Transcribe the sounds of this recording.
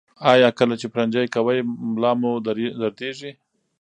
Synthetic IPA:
ɑjɑkəlat͡ʃepɾand͡ʒajkawajmlɑmod̪ɾd̪aɾd̪eʐi

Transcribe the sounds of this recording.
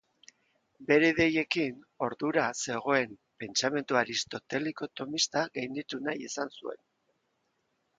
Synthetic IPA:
be̞ɾe̞ðe̞je̞kin | o̞ɾðuɾase̞ɣ̞o̞e̞mpe̞nt͡same̞nt̪uaɾist̪o̞t̪e̞liko̞t̪o̞mist̪aɣajnd̪it̪unajesansue̞̰n

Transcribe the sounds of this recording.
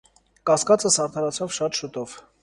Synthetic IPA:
kɑskɑt͡səsɑɾt̪ʰɑɾɑt͡sʰɔvʃɑt̪ʃut̪ɔv̥

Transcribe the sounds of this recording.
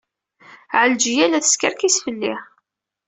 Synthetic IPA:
ʕəld͡ʒjælæθə̥skəɾkisfəlːɪħ

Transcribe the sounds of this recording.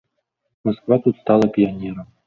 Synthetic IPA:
mɐskvat̪ut̪st̪ɑlˠəpʲianʲeɾəm

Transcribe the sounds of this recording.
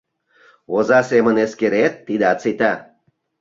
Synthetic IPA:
ozɑseməneskeɾet̪ːid̪eɑt͡sit̪ɑ

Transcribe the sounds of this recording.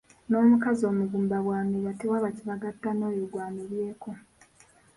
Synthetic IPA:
no̞ːmukazo̞ːmuɡuːmbaβwaːmejatewaβaciβaɡatːano̞ːjoɡwaːneβje̞ːko̞

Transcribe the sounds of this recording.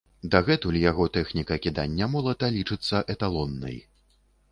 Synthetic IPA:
d̪aɣɛt̪ulʲjaɣɔt̪ɛxnʲikɐkʲid̪a̰nʲːɐmɔlˠɐt̪ɐlʲit͡ʂɨt̪sːɐʔɛt̪alˠɔnːɐ̰j

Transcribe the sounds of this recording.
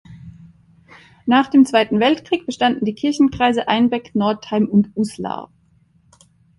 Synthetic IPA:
naːχd̥eːmt͡sv̥aɪtn̩vɛltkʁ̥iːk̚b̥əʃtandn̩diːkʰɪɐçn̩kʁ̥aɪzəʔaɪnbɛknɔɐthaɪmʊntusla̰ː

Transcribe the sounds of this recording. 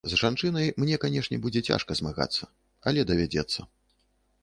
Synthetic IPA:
zʐant͡ʂɨnɐjmnʲɛkanʲɛʂnʲɛbud͡zʲɛt͡sʲa̰ʂkɐzmaɣa̰t̪sːɐ | ɐlʲɛd̪ɐvʲad͡zʲɛt̪sːɐ

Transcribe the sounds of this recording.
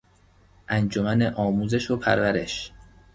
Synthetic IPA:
ʔænd͡ʒomæneʔɒːmuːze̞ʃopʰæɾvæɾe̞̰ʃ

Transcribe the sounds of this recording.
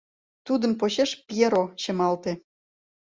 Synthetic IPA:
t̪ud̪əmpoɕeʃpieɾoɕə̆mɑlt̪e

